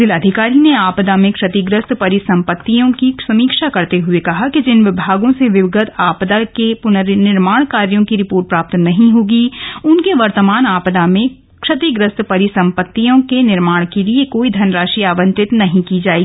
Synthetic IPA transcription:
d̪ɪlɐd̪ʱɪkaːɾineaːpd̪amẽkʃɐt̪iɡɾəst̪pɐɾisɐ̃mpət̪ːijõkisɐmiːkʃakɐɾt̪eɦʊekɐɦakid͡ʒɪnʋɪbʱaːɡõseʋɪʋɪɡət̪aːpd̪akepʊnəɾnɪɾmaːɽ̃kaːɾjõkiɾɪpoːɾʈ̚pɾaːp̚t̪nɐɦĩɦoːɡiʊnkeʋɐɾt̪əmaːnaːpd̪amẽ | kʃɐt̪iɡɾəst̪pɐɾisɐ̃mpət̪ːijõkenɪɾmaːɽ̃keliekoːid̪ʱɐnɾaːʃiaːʋə̃nt̪ɪt̪nɐɦĩkid͡ʒaːeɡ

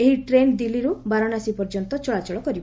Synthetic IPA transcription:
eɦiʈɾend̪iliɾubaɾɔnasipɔɾd͡ʒɔnt̪ɔt͡ʃɔɭat͡ʃɔɭɔkɔɾibɔ

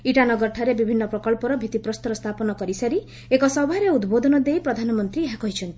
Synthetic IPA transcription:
iʈanɔɡɔɾʈʰaɾebibʱinːɔpɾɔkɔɭpɔɾɔbʱit̪ipɾɔst̪ɔɾɔst̪ʰapɔnɔkɔɾisaɾi | ekɔsɔbʱaɾeud̪bod̪ʱɔnɔd̪ejpɾɔd̪ʱanɔmɔnt̪ɾieɦakɔɦit͡ʃʰɔnt̪ii̥

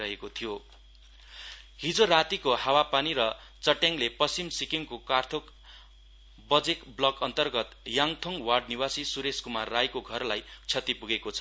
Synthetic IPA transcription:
ʌɦekot̪ʰijo | ɦid͡zoɾat̪ikohawapaniɾʌ | t͡sʌʈjaŋlepʌst͡simsikiŋkokart̪ʰok | bʌd͡zekblʌkʌnt̪ʌrɡʌt̪jaŋt̪ʰoŋwaɖniwasisuɾeskumarːajkoɡʱʌrlajt͡sʰʌt̪ipuɡekot͡sʰʌ

